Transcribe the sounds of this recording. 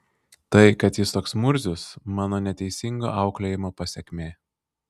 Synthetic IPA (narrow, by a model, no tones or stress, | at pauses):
t̪ɐɪkɐt̪jɪst̪oːksmʊɾʲzʲʊsmɑːnoːnʲɛt̪ʲɛɪsʲɪŋɡo̰ːʔɑʊklʲɛjɪmoːpɐsʲɛkʲmʲeː